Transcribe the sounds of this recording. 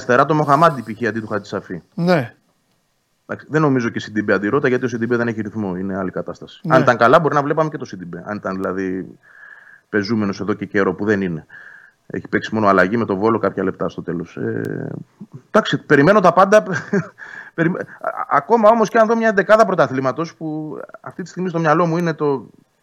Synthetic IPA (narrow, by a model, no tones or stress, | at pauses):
st̪e̞ɾɐt̪o̞mo̞xɐmɐd̪ipiçiɐnd̪it̪uxɐit̪i̥sɐfine | d̪ɐ̰ksi̥ðenːo̞mizo̞ce̞sid̪ibeɐnd̪iɾo̞t̪ɐʝɐt̪iosid̪ibeðe̞neçiɾiθmoine̞ɐlikɐt̪ɐst̪ɐsi̥ɐnit̪ɐŋkɐlɐbo̞ɾinɐvlepɐme̞ce̞t̪osid̪ibeɐ̰nit̪ɐnðilɐði | pe̞zume̞no̞se̞ðo̞ce̞ce̞ɾo̞puðe̞nine̞ | ḛçi̥peksimo̞no̞ɐlɐʝime̞t̪o̞vo̞lokɐpçɐle̞p̚t̪ɐst̪o̞t̪e̞lo̞sḛ | d̪̥ɐksipe̞ɾime̞no̞t̪ɐpɐnd̪ɐ | peɾimɐ̰ko̞mɐo̞mo̞sceɐnðo̞mɲɐend̪e̞kɐðɐpɾo̞t̪ɐθlimɐt̪o̞spuɐ̰ft̪it̪ist̪iɣmist̪omɲɐlo̞muine̞t̪o̞